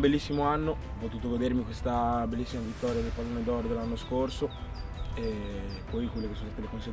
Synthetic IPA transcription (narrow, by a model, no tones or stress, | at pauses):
belːisːimoanːo | ɔpːot̪uːt̪oɡod̪eɾmikwest̪abelːisːimavit̪ːɔːɾjad̪elpalːoned̪ɔɾod̪elːanːoskorso | e | pːɔjkwelːekesonsat̪elekonse